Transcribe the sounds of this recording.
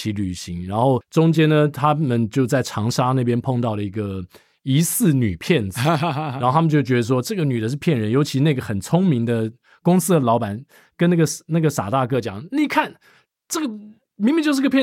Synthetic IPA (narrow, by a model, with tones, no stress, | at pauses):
i˧˥ly˨˩ɕi˧˥ŋɻa˧˥nxo˥˩ʊʈ͡ʂʊ˥ŋt͡ɕjɛ˥nnə˨t̪ʰa˥mə˨nt͡ɕjo˥˧ʊt͡sa˥˩ɪʈ͡ʂʰɑ˧˥ŋʂa˥na˥˩pjɛ˥npʰo˥˧ŋt̪ɑ˥˩ʊlə˩i˧˥ɡə˧ | i˧˥sɹ̩˥˩ny˨˩pʰjɛ˥˩nd͡z̩˨˩a˧˥xo˥˩t̪ʰa˥m˧˨˧t͡ɕjo˥˩ʊt͡ɕɥɛ˧˥d̪ə˧ʂwɔ˦˥ʈ͡ʂɤ˥˩ɡə˩ny˨˩d̪ə˦ʂ̬ɻ̩˥˧˩pʰjɛ˥˩nɻə˧˦njo˧˥ʊt͡ɕʰi˧na˥˩ɡə˩xə˨˩nt͡sʰʊ˥ŋmi˧˥ŋd̪ə˨ | kʊ˥ŋsɹ̩˥d̪ə˨lɑ˧˥ʊpa˨˩˦n | kə˥na˥˩ɡə˩na˥˩ɡə˩sa̰˨˩t̪a˥˧kɤ˥˩t͡ɕjɑ̰˨˩˦ŋni˨˩kʰa˥˩n | ʈ͡ʂɤ˥˩ɡə˩ | mi˧ŋmi˧˦t͡ɕjo˥˧ʂ̩˥˧˥ɡə˧pʰj